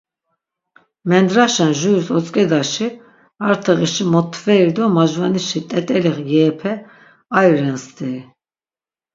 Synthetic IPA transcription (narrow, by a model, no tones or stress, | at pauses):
mɛnd̪ɾaʃanʒuusɔt͡sʼkʼɛd̪aʃi | aɾt̪ʰɛʁiʃimɔt̪ʰvɛiɾd̪ɔmaʒvaniʃit̪ʼɛt̪ʼɛliχɡɛːpʰɛ | ajɾɛnst̪ʰʼi